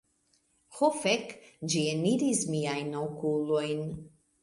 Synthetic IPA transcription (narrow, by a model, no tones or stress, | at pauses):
hofekd͡ʒieniɾismiajnawkulo̞jn